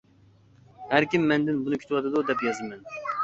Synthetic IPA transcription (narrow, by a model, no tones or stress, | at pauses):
hæɾkʲimːɛnd̪ɪnbunɨkʲʰy̥t̪ʰwɑt̪ʰɨd̪ud̪ɛpjɑzɨmɛn